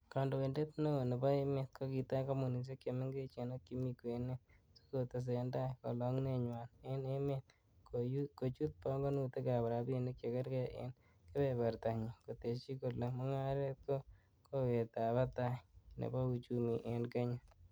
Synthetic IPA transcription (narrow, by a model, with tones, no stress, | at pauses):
kɔ˨ndo˨we˨nde˦t̪no˦o˨ne˨bɔ˦e˦me˨t̪̚ko˦ki˨ta˦ka˦mu˨ni˨s̬e˦kːe˨me˦ŋɡe˦t͡ʃe˨no˦kːi˦mikwe˨ne˦ | so̥kote˨s̬enda˦ko˨lɔ˦ŋne˦ɲwa˨ne˦ne˦met | koko˨t͡ʃu˦t̪̚pɔ˦ŋɡo˦nu˦te˦ka˨ba˨ɾa˨bi˦ne˦k̚t͡ʃe˨ke˦ɾkɛ˦ʔḛ˦n | kɪ˦be˨ba˨ɾt̪a˨ɲo˨ko˨te˨t͡ʃi˦ko˨lomɔ˦ŋa˦ɾe˦t̪̚ko˦ | kowe˨ta˨ba˦ta˦jnḛ˨bɔ˦u˨t͡ʃumi˨ʔe˨nka˦ɲa